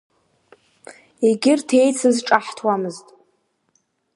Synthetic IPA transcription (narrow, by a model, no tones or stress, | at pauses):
eɡʲɪrtʰe̞jt͡sʰɨzʈ͡ʂʼaħtʰwamɨztʼ